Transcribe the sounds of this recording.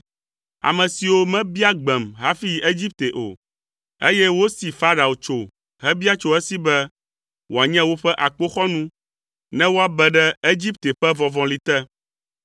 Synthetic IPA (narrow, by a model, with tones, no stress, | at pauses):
a̰˨mɛ̃˨si˨wo˦mɛ̃˦bi˦a˦ɡ͡bɛ˨mɦa˦fi˦ji˨e˦d͡ʑi˦p̚t̪e˨ʔo˨ | e˦jɛ˦wo˦si˨fa˦ɖa˨o˨t͡ʃo˨ | ɦɛ˦bi˦a˦t͡ʃo˦ɛ˦si˦bɛ˦ | wo˨a˨ɲɛ̃˦wo˦ɸɛ˦ʔa˨k͡po˦xɔ˦nũ˦ | nɛ̃˦wo˦a˨bɛ˨ɖɛ˦e˦d͡ʑi˦p̚t̪e˨ɸɛ˦vɔ̃˨vɔ̃˨li˨t̪ɛ˦